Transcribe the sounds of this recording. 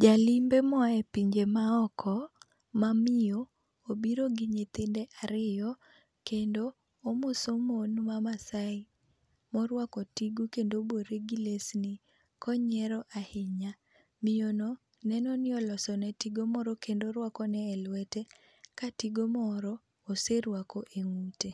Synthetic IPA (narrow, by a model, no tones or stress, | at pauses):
d͡ʒalɪmbemɔɛpiɲd͡ʒemaɔkʰɔ | mamɪo | obiɾoɡɪɲet̪endɛʔaɾɪjɔ | kendoː | mosomonmamasaɪ | mɔɾwakɔtiɡukendoboɾeɡilesnɪ | kɔɲɛɾɔʔahɪɲa | mɪjono | nɛnɔnɪɔlɔsɔnɛtiɡomɔɾɔkendoɾwakɔnɛːlwɛtɛ | katiɡomɔɾɔː | seɾwakɔʔeŋute